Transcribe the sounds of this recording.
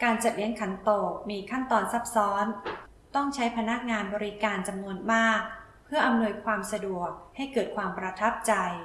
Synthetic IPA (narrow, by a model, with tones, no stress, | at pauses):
kaː˧nt͡ɕa˨˩t̪̚li˦˥əŋkʰa˩˦nt̪oː˨˩k̚miː˧kʰa˥˩nt̪ɔː˧nsa˦˥p̚sɔː˦˥n | t̪ɔ˥˩ŋt͡ɕʰa˦˥jpʰa˧na˦˥k̚ŋaː˧nbɔː˧ɾi˦˥kaː˧nt͡ɕa˧mnu˧ənmaː˥˩k̚ | pʰɯ˥˩ɐʔa˧mnu˧əjkʰwaː˧msa˧du˨˩ək̚ha˥˩jkɤː˨˩t̪̚kʰwaː˧mpɾa˧t̪ʰa˦˥p̚t͡ɕa˧j